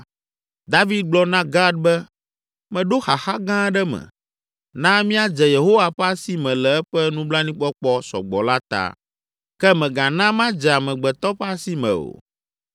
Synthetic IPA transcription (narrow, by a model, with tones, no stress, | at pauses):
d̪a˦vi˦d̪̚ɡ͡blɔ˦nã˦ɡa˦d̪̚bɛ˦ | mɛ̃˨ɖo˦xa˨xa˦ɡã˦ɖɛ˦mɛ̰̃˨ | nã˦mĩ˦a˦d͡ʒɛ˨je˨ɦo˦wa˨ɸɛ˦a˦si˦mɛ̃˨lɛ˨ɛ˦ɸɛ˦nũ˦bla˦nĩ˦k͡pɔ˦k͡pɔ˦sɔ̰˨ɡ͡bɔ̰˨la˦t̪a̰˨ | kɛ˦mɛ̃˨ɡã˨nã˦mã˦d͡ʒɛ˨a˨mɛ̃˨ɡ͡bɛ˨t̪ɔ˦ɸɛ˦a˦si˦mɛ̰̃˨o̰˨